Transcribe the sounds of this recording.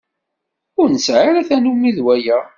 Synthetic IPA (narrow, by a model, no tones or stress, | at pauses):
ʊɾnəsʕaɾæθænumːiðwæjæ